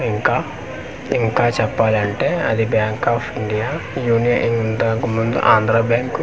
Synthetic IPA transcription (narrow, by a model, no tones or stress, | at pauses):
iŋkaː | iŋkaːt͡ɕɛpːaːlɐɳʈeɐ̰d̪ibjaːŋkaːfiɳɖijajuːnijɐ̰ʔiŋd̪aːkumːund̪ṵʔaːnd̪ɾaːbjaːŋku